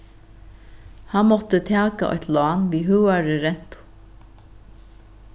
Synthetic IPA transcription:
hanmɔt̪ət̪ʰæːka̰ʔɔ̰çt̪laɑːnʋiːɦʉːwaɾɪɾɛn̥t̪ʊ̥

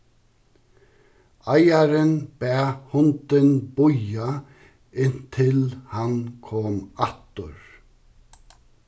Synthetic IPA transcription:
ajaɾɪnb̥ɛːhʊnt̪ɪnbʊja | ɪn̥t̪ʰɪlhankʰɔːmat̪ʊ̰ɹ

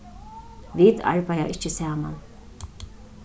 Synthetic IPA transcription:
ʋiːt̪a̰ɹpaja̰ʔɪt͡ʃɪsæːma̰n

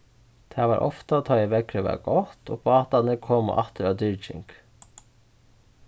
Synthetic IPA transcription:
d̪̥ʰæːʋɑːɾʔɔ̰ft̪ɑt̪ʰɑɪʋɛkʰːɾəʋæ̰ɡ̥ɔt̪o̰ːpʰoːɑt̪ɑnəkʰɔm̰ʔɑ̰t̪əɾɑd̪ʏɾt͡ʃɪ̰ŋk

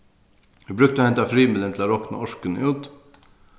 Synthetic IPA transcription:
ʋɪbɾʏk̚t̪əoːhɛnt̪afɾiːmɪlənt̪ʰlaɾɔkna̰ɔʂkənəʉːt̪

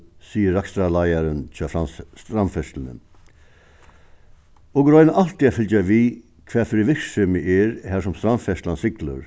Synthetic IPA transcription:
siːəɾːakst̪ɾalajaɾənt͡ʃʰɑːfɾanst̪ɾamfɛst̪lənə̰ | ɔɡɾɔʏnəʔalt̪iafɪlt͡ʃaʋiː | kʰʋɛːfɪɾiʋɪkʂʏmɪʔeːɾhæːsʊmst̪ɾamfɛst̪lansɪklə̰ɾ

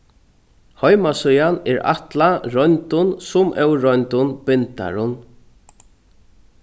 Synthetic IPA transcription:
hɔjmasʊjanɛɹa̰t̪laɾɔnt̪ʊnsʊmʔɛwɾɔjnt̪ʊnpɪnt̪a̰ɹʊn

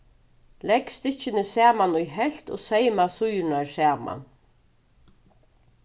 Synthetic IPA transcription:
lɛkst̪ɪt͡ʃːɪnɪsæːmanʊjɦɛl̥t̪o̰ːsɛjmasʊjnaɹsæːma̰n

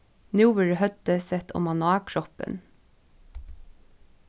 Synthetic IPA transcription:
njʉːʋɛɹəhœd̪əsɛt̪ɔ̰mɑnʊɑːkʰɹɔpə̰n

